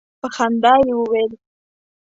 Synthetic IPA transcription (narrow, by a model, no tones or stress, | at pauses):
pəxand̪ɑjewəwel